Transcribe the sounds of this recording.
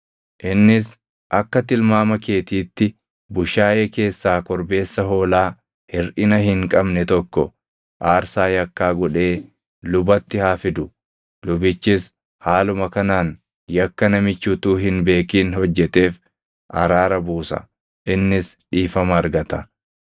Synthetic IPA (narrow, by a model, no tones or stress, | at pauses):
ʔɪnːɪs | ʔɐkːɐt̪ɪlmaːmɐke̞ːt̪iːt̪ːɪ | bʊʃaːʔeːke̞ːsːaːkɔɾbe̞ːsːɐɦo̞ːlaː | hɪɾʔɪnɐɦɪŋkʼɐbnɛt̪ɔkːɔ | ʔaːɾsaːjɐkːaːɡɔᶑe̞ː | lʊbɐt̪ːɪhaːfɪd̪ʊ | lʊbɪt͡ʃːɪs | haːlʊmɐkɐnaːn | jɐkːɐnɐmɪt͡ʃːut̪uːɦɪnbe̞ːkiːnhɔd͡ʒːɛt̪e̞ːf | ʔɐ̰ɾaːɾɐbuːsɐ̰ | ʔɪnːɪsᶑiːfɐmɐːɾɡɐt̪ɐ